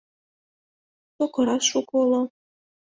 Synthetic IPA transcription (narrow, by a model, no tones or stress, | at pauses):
t̪okɤ̆ɾɑʃukolˠɤ